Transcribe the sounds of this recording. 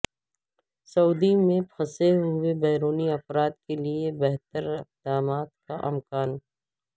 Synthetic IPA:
sɐuːd̪imẽpʰɐseɦʊʊebɛːɾoːniɐfɾaːd̪keliebɛɦt̪əɾɪq̚d̪aːmaːt̪kaʔɐmkaːn

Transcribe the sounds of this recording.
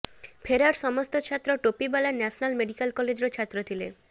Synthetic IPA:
pʰeɾaɾsɔmɔst̪ot͡ʃʰat̪ːɾoʈopibalanɛsnalmeɖikalkɔled͡ʑɾot͡ʃʰat̪ːɾot̪ʰile

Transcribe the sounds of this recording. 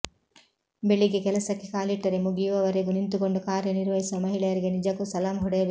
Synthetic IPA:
beɭːiɡe̞kɛlɐsɐkːe̞kaːliʈːɐɾemuɡijuʋɐʋɐɾeɡunint̪uko̞ɳɖukaːɾjɐniɾʋɐɦisuʋɐmɐɦiɭɐjɐɾiɡe̞nid͡ʒɐkːusɐlaːmɦuɽɐjɐʋ

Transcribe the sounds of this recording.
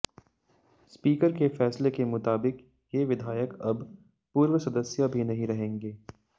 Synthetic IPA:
spiːkəɾkefɛːslekemʊt̪aːbɪk | jeʋɪd̪ʱaːjəkɐb | puːɾwəsɐd̪əsjabʱinɐɦĩɾɐɦẽːŋɡeː

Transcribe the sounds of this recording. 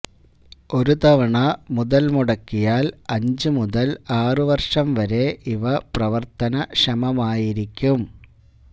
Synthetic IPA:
o̞ɾut̪ɐʋɐɳɐmuðɐlmuɽɐkːijaːlɐɲd͡ʑɨmuðɐlaːrɨʋɐrʂɐmʋɐɾe̞ʔiʋɐprɐʋɐrt̪ɐnɐʂɐmɐmaːjiɾikʲːum

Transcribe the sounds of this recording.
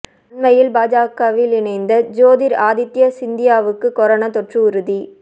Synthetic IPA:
nmɐjɪlbaːd͡ʒaːkɐʋɪlɪɳɐɪnd̪ɐd͡ʒoːðɪɾaːðɪt̪ːjɐsɪnd̪ɪjaːʋɯkːɯkɔɾɐnɐt̪ɔʈrɯʊɾɯði

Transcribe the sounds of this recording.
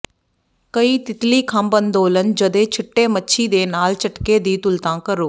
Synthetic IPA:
kəiːt̪ɪt̪liːkʰɐmbənd̪oːlənd͡ʒəd̪eːt͡ʃʰɪʈːeːmətːʃʰiːd̪eːnaːlt͡ʃəʈkeːd̪iːt̪ʊlt̪ãːkəɾoː

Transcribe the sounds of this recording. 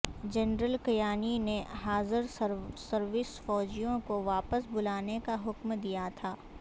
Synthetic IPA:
d͡ʒɛnɾəlkɐjaːnineɦaːzɪɾsɐɾʋɪsfɔːd͡ʒijõkoʋaːpəsbʊlaːnekaɦʊkmd̪ijat̪ʰaː

